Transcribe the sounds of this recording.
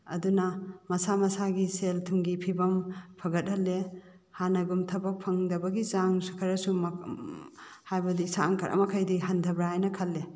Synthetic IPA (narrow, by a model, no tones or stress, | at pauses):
ɐ̰dunɐmɐsamɐsaɡiseltʰuŋɡipʰibɐmpʰɐɡɐt̚hɐlːe | hanɐɡumtʰɐbɐk̚pʰɐŋdɐbɐɡizaŋsukʰɐɾɐsum | hajbɐdisaŋkʰɐɾʔɐ̰mɐkʰɐjdiɦɐndʰʱɐbɾajnɐkʰɐlːe